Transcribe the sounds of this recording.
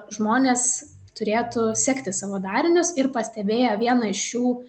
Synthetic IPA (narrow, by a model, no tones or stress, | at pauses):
ʒmoːnʲeːs | t̪ʊɾʲeːt̪ʊsʲæːkt̪ʲɪsɐʋoːd̪ɑːɾʲɪnʲʊsɪrpɐsʲt̪ʲɛbʲeːjoʋʲiɛnɐɪʃjuː